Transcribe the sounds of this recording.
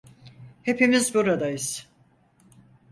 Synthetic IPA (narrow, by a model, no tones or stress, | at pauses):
he̞pʰimizbuɾad̪ajiz̥